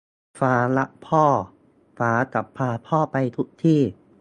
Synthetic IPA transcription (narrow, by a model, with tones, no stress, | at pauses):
faː˨˧la˦˥ʔpʰɔː˥˩ | faː˩˦ka˨˩pʰːaː˧pʰɔː˥˩pa˧jt̪ʰu˦˥k̚t̪ʰiː˥˩